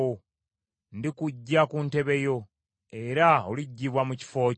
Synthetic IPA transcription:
o | ndikuɟːakunte̞βe̞jo̞ | e̞ɾaoliɟːiβwamuci̥fo̞ː

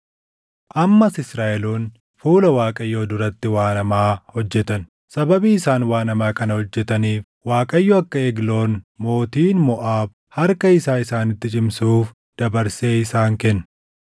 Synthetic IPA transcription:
ʔɐmːɐsɪsɾaːʔɛloːn | fuːlɐwaːkʼɐjːoːd̪ʊɾɐt̪ːɪwaːnɐmaːhɔd͡ʒːɛt̪ɐn | sɐbɐbiːɪsaːnwaːnɐmaːkɐnɐhɔd͡ʒːɛt̪ɐniːf | waːkʼɐjːoɐkːɐɛɡlo̞ːnmo̞ːt̪iːnmɔʔaːb | hɐɾkɐɪsaːɪsaːnɪt̪ːɪt͡ʃʼɪmsuːf | d̪̥ɐbɐɾse̞ːɪsaːŋkɛnːɐ

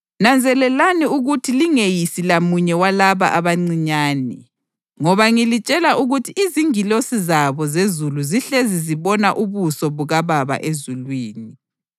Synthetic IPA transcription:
nand͡zʱɛlɛlaniuɣutʰiliŋejisilamuɲɛwalaβa̰ʔaβaŋ͡ǀiɲaːnɛ | ŋɔβaŋilit͡ʃʼɛlaʔuɣutʰiʔiziŋilosizaβɔzezuluziɬeziziβɔnaʔuβusɔβuɣaβaβa̰ʔezulwiːni

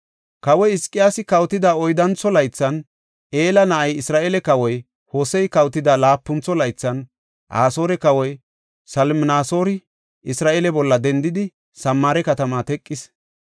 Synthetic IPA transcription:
kɐwɔjɪskʼːɪjaːsɪkɐwt̪ɪd̪aːɔjd̪ɐnt͡sːɔlɐjt͡sːɐn | ʔe̞ːlɐnɐʔɐjɪsɾaːʔeːlɛkɐwɔj | ho̞ːsɛjkɐwt̪ːɪd̪aːlaːpːʊnt͡sːɔlɐjt͡sːɐn | ʔa̰ːso̞ːɾɛkɐwɔj | sɐlmnaːso̞ːɾɪ | ɪsɾaːʔeːlɛbɔlːɐd̪ɛnd̪ɪd̪ɪ | sɐmːaːɾɛkɐt̪ɐmaːt̪ɛkʼːɪs

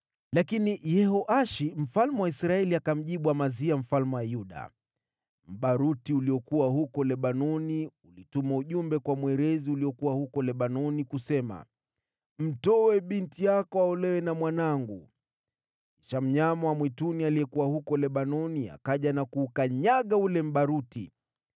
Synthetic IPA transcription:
lakinijɛhɔʔaʃim̩falmɛwaisɾaɛliakam̩ʄiɓuwamaziam̩falmɛwajuɗa̰ | m̩ɓaɾutiuliɔkuwaɦukɔlɛɓanɔniulitumauʄumbɛkwamwɛɾɛziuliɔkuwahukɔlɛɓanɔnikusɛma̰ | m̩tɔwɛɓintijakɔaɔlɛwɛnamwanaŋɡu | iʃam̩ɲamɔwamwitunialiɛkuwahukɔlɛɓanɔnia̰kaʄanakuːkaɲaɠaulɛm̩ɓaɾuti

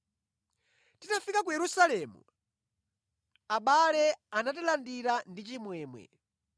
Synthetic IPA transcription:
tinafikak̬ujɛɾusalɛmṵ | aɓalɛanatilandiɾandit͡ʃimwɛːmwɛ̰

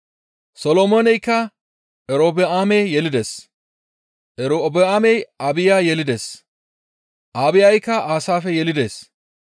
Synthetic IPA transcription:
sɔlɔmɔnɛjkːɐ | ʔɛɾoːbɛaːmejjɛlɪd̪es | ʔɛɾobɛaːmɛjabɪjaːjɛlɪd̪es | ʔaːbɪjajkːɐʔaːsaːfɛjɛlɪd̪eːs

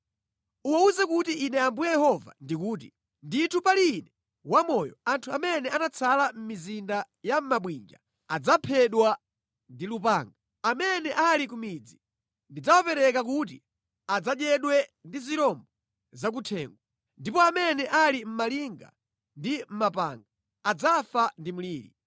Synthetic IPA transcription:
uwauzɛkutiːnɛambujɛjɛhɔva̰ndik̬uːt̬ḭ | nditʰupalinɛ | wamɔjɔ̰antʰuamɛnɛanat͡sʰalam̩mizinda | jam̩maɓwind͡ʒa | ad͡zapʰɛɗwa | ndilupaːŋɡa | amɛnɛʔalikumid͡zi | ndid͡zawapɛɾɛkak̬uːt̬i | ad͡zaɗjɛɗwɛndiziɾɔmbɔ | zak̬utʰɛːŋɡwa | ndipɔamɛnɛʔalim̩maliŋɡa̰ | ndim̩mapa̰ːŋɡaː | d͡zafandimuliːɾḭ

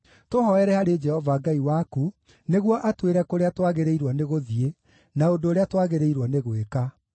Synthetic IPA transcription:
toɦɔɛɾɛhaɾed͡ʒɛhɔvaːɡaiwaku | neɣwɔʔatweɾɛkoɾeatwaɣeɾeiɾwɔneɣoðie | naondoːɾeatwaɣeɾeiɾwɔneɣweka

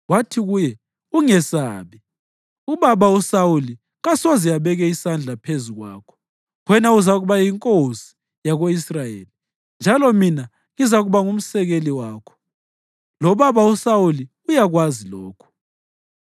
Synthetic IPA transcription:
watʰiɣujɛ | uŋɛsa̰ːβi | uβaβausawuli | ɣasozijaβɛɣɛisand͡ɮʱapʰezuɣwa̰ːkʰɔ̥ | ɣwɛnauzaɣuβajiŋkʼosi̥ | jaɣoisrajḛːli | nd͡ʒʱalɔmina | ŋizaɣuβaŋum̩sɛɣeliwaːkʰɔ̥ | lɔβaβausawuli | ujaɣwazilɔːkʰɔ̥

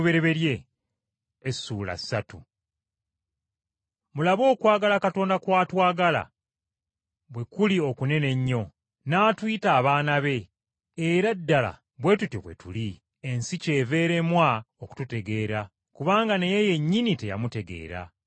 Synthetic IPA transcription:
βe̞ɾe̞βe̞ɾje̞ | sːuːla̰satṵ | mulaβo̞ːkwaːɡalakato̞ːndakwaːtwaːɡala̰ | βwe̞kulio̞kune̞ne̞ɲːo̞ | naːtwiːtaːβaːnaβe̞ | eɾadːala̰ | βwe̞tutoβwe̞̰tuli | ensice̞ːve̞ːɾe̞mwa | oku̥tute̞ɡe̞ːɾa | kuβaːŋɡanejeje̞ɲːinite̞ja̰mute̞ɡe̞̰ːɾa̰

